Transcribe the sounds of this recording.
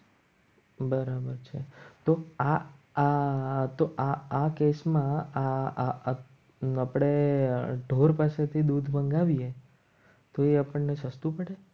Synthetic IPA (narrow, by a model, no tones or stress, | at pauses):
bəɾabəɾt͡ʃʰḛt̪oa | t̪oʔaːkesmãa | apɽ̃eɖʱoɾpaset̪ʰid̪ud̪ʱbəŋɡaʋie | t̪oeapəɳnesəst̪ũpəɽe